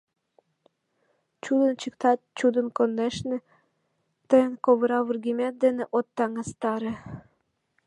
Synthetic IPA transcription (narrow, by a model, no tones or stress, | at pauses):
t͡ɕud̪ə̆nt͡ɕəkt̪ɑt̪̚t͡ɕud̪ə̆nkonːeʃnĕ | t̪ɤjənkoβəɾɑβurɡʲimet̪̚d̪enĕʔot̪ːɑŋɑst̪ɑɾĕ